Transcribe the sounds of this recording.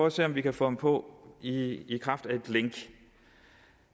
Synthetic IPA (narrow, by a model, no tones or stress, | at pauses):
ɒːse̝̰ːɒ̽mʋikʰæfɔ̽mpʰɔ̽iːkʰʁɑ̈fd̥æe̝d̥leŋɡ̥